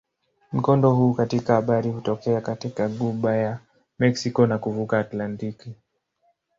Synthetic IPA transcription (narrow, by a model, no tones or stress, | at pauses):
m̩kɔndɔhuːkatikahaɓaɾihutɔkɛakatikaɠuɓaja | mɛksikɔnakuvukaːtlantiki